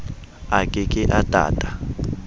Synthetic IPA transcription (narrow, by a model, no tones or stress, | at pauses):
akʼɛkʼɪʔatʼa̰ːtʼḁ